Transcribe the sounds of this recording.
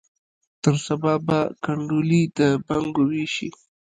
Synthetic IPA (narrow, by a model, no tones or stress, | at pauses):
t̪əɾsababakaɳɖulid̪əbaŋɡowiʃḭ